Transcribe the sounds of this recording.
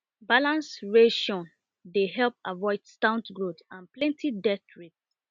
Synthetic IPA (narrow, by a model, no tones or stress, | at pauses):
balãnsɹeʃɔ̃n | deɦɛlp̚avɔɪdstãʊ̃ntɡɹotãnplɛ̃ntʰidɛtɹik̚t